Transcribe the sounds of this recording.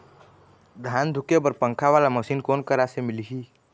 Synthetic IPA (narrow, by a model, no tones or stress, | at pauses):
d̪ʱaːnd̪ʱʊkebəɾpə̃ŋkʰaʋaːlaməsiːnkoːnkəɾasemɪliɦiː